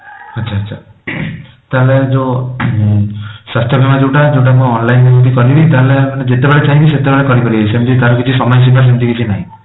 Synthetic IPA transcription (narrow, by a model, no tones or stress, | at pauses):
atːt͡ʃʰaːtːt͡ʃʰa | t̪aɦled͡ʒo | sast̪ʰjɔbʱimad͡ʒewʈad͡ʒewʈ̬amuɔnlajndebit̪̬ikɔɾibit̪aɦelemaned͡ʒet̪ebeɭet͡ʃaĩbis̬et̪ebeɭekɔɾikɔɾibisemit̪ʰit̪aɾɔkit͡ʃʰisɔmɔjɔs̬ibas̬emit̪ikit͡ʃʰinaɦĩ